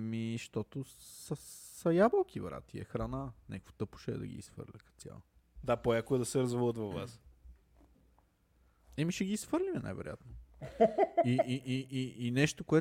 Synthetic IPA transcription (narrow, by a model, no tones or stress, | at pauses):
miʃt̪ɔt̪osəsɐjabəlˠk̟ʰivɾa̰t̪iɛ̰xɾananɛ̰kkfo̥t̪ɤpʊ̥ʃɛ̰ːd̪ɐ̰ɡʲḭisfə̰ɾlʲəkə̥sʲja̰lˠ | d̪apojakoɛd̪ɐsɛɾɐzvɔlˠət̪vɐvva̰s | ɛmiʃɛɡiːsfɤɾlimɛna̰jvɛ̰ɾoja̰t̪no | iiʔiiinɛʃt̪okoɛ